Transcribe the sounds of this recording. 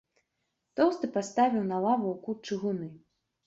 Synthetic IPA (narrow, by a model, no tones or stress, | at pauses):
t̪ɔwst̪ɨpast̪avʲiwnalˠavuwkut͡ʂɨɣunɨ